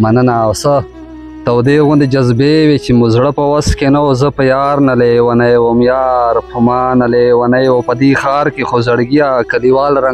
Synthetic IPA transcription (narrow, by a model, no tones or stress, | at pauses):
mɐnənawsə | t̪awd̪eɣʊnd̪ed͡ʒazbewet͡ʃemuzɽəpəwaskenawozəpəjaːɾnalewanajwomjaːɾpʰʊmɑːnalewanajwopəd̪ixaːɾkexozaɽɡijakaliwaːlɾa